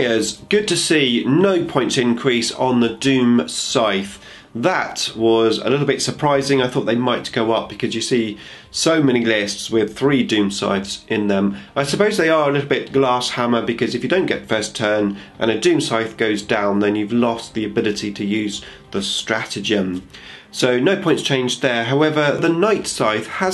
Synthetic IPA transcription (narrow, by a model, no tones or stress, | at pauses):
əzɡ̥ʊd̚tʰɨsinoʊpʰɔ̃ɪ̃ntsɪ̃nkʰɹ̥isn̩ðədʉ̃msaɪθ | ðətwʌzə̰lɪɾˡl̩ˠbɪtsəpʰɹ̥aɪzɪ̃ŋaɪθɔˑʔ̪̚ðeɪmaɪt̚ɡ̥oʊʌp̚b̥ɨkʰʌzjɨsi | soʊmɛɾ̃ilɪstswɪð̥θɹidʉ̃msa̰ɪθsʔɪ̃nðə̃mʔaɪsəpoʊzðeɪə˞əlɪɾl̩ˠbɪt̚ɡ̥lɑshæmə˞bɨkʰʌzɨfjɨdõʊ̃nɡ̥ɛt̚fɜ˞stʰɜ̃˞nʔə̰̃ñɨdʉ̃msaɪθɡ̥oʊzdãʊ̃nðɨ̃njʉvlɔst̚ðiɨbɪlˠɨɾiɾʰɨjʉz | ðəstɹ̥æɾɨd͡ʒɨ̃m | soʊnoʊpʰɔ̃ɪ̃ntst͡ʃʰẽɪ̃nd͡ʒðə˞ɦaʊɛvə˞ðənaɪtsaɪθə